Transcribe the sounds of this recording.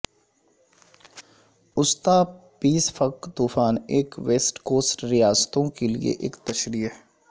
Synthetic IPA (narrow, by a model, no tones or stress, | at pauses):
ʊst̪aːpiːsfʰɐkt̪uːfaːneːkʋeːsʈkoːsʈɾijaːst̪õkelḭḛʔḛːkt̪ɐʃɾiː